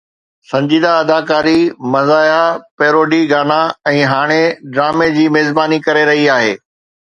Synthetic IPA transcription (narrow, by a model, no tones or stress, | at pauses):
sɐ̃ɲd͡ʑiːd̪aɐd̪aːkaːɾimɐzaːjapeːɾoːɖiɡaːnaɛ̃ːɦaːɽ̃eɖɾaːmed͡ʑiːmeːzbaːnikɐɾeɾɐɦiaːɦeː